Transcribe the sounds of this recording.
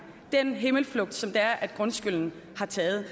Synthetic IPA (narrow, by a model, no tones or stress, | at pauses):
d̥enɦe̝ml̩flɔ̽ɡ̥̚d̥sɒ̽md̥ɑ̈æɐʔæd̥ɡ̥ʁɔ̽nsɡ̥yl̰n̩hɑ̈t͡sʰɛːð̞̩ˠ